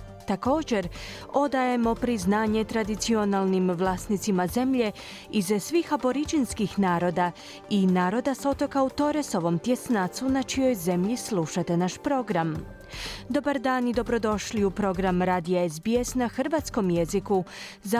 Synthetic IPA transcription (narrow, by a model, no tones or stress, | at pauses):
t̪ako̞ːd͡ʑe̞ɾ | o̞d̪aje̞mo̞pɾiznaːɲet̪ɾad̪it̪sio̞nalˠnimʋlˠaːst̪nit̪simaze̞mʎe̞ | izsʋiːxaboɾit͡ʃinskixnaːɾo̞d̪a | inaːɾo̞d̪aso̞t̪o̞kaut̪o̞ɾeso̞ʋo̞mt̪jesnat̪sunat͡ʃijo̞jze̞mʎislˠuʃat̪e̞naʃpɾo̞ɡɾam | d̪o̞baɾd̪aːnid̪o̞bɾo̞d̪o̞ʃliupɾo̞ɡɾamɾaːd̪ijaezbiesnaxrɾʋat̪sko̞mjeziku | za